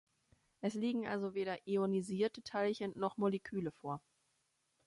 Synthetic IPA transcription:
ʔɛsliːɡŋ̩ʔa̰lzoveːɾɐʔioniziːɐtətʰalçənnɔχmolekʰyːləfoːɐ

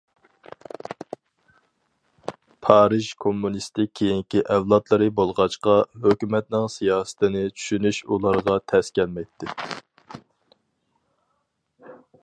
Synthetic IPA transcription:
pʰɑːɾɨʒkʰomːunist̪ɪkʲʰːejiŋkʲiʔɛvlˠɑt̪lˠɨɾɨbolˠʁɑt͡ʃqɑɦøkʲymɛt̪̚nɪŋsijɑːsə̥t̪ʰɪnɪt͡ʃʰy̥ʃynyʃulˠɑɾʁɑt̪ʰɛskʲɛlmɛjt̪ʰːɪ

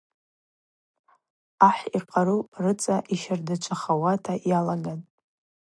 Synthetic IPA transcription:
aħiqʼaɾurɨt͡sʼaʔiʃardat͡ʃʷʰaχawatʰajalaɡan

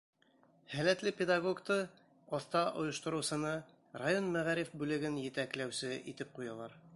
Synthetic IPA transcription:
hælæt̪lɘpʲed̪aɡoɡt̪ɤ | ɒθt̪ɑʔŏjŏʃt̪ŏɾɤ̆wsɤ̆nɑ | rajo̞nmæʁæɾifbʉlɘ̆ɡɘnjɘ̆t̪æklæwsɘit̪ɘp̚qujɑlˠɑɾ

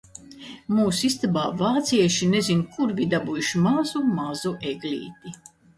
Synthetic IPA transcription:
muːsist̪abaːvaːt̪siɛʃinezinkuɾvʲid̪abujuʃmazumazuʔeɡlʲḭːt̪i

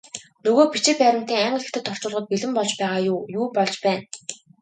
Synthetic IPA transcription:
nɵɣoːpit͡ɕɪ̆pæːɾə̆m̥t̪iːŋaɴɢə̆ekt̪ɘ̆t̪ʰːɔr̥t͡ɕʊːɮʁɞ̆t̪̚piɮɘ̆mpɔɮt͡ɕpæːʁaːjːjuːpɔɮt͡ɕpæːn

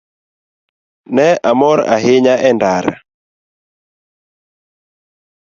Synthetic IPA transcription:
nɛamɔɾa̰ɦɪɲaʔɛndaɾa̰

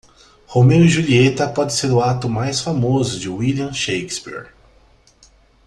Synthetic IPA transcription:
homeʊiʒuliet̪ɐpɔd͡ʒɪseɾʊat̪ʊmajsfamozʊd͡ʒɪwiliɐ̃ʃejkspḭɾ

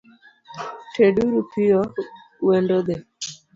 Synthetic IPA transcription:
ʈʰeɖuɾupijɔ | wɛɳɖɔd̪ɛ

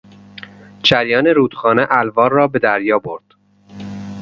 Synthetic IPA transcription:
t͡ʃʰæɾjɒːneɾuːd̪̥xɒːneʔælvɒːɾːɒːbe̞d̪æɾjɒːbo̞ɾd̪̥

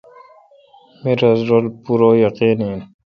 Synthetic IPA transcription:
miɾazɾolpuɾoːjʌqiniːn

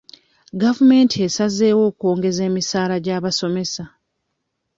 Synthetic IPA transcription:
ɡavume̞ːntʰie̞saze̞ːwo̞ːko̞ːŋɡe̞ze̞ːmisaːlaɟaːβaso̞me̞sa

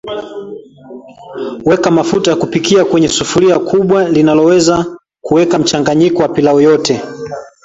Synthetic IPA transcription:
wɛkamafutajakupikiakwɛɲɛsufuliakʰuɓwalinalɔwɛza | kuwɛkam̩t͡ʃaŋɡaɲikɔwapilaɔjɔtɛ

